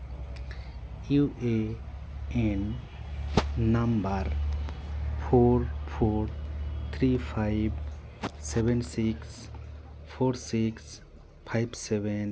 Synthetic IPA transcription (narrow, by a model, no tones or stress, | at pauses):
juʔe | en | ambəɾ | pʰoɾpʰoɾt̪ʰɾipʰaɪb | sebensiks | pʰoɾsiks | pʰajbseben